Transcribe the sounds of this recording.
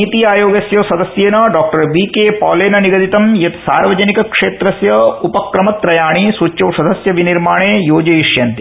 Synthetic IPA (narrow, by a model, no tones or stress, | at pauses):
it̪iaːjoːɡɐsjɐʋsɐd̪ʱɐsjeːnɐɖaːk̚ʈɐɾbiːkeːpɔːleːnɐniɡɐd̪it̪ɐmjɐt̪saːɾʋɐd͡ʒɐnikɐkʂeːt̪ɾɐsjɐupɐkɾɐmɐt̪ɾɐjaːɳisuːt͡ʃːɐʋsɐd̪ʱɐsjɐʋiniɾmaːɳeːjoːd͡ʒɐjiʂjɐnt̪i